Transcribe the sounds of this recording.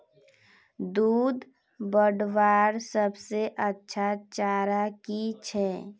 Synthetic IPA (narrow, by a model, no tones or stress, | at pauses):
d̪uːd̪ | bəɖʋaːɾsəbseʔətːʃʰat͡ʃaːɾakit͡ʃʰɛː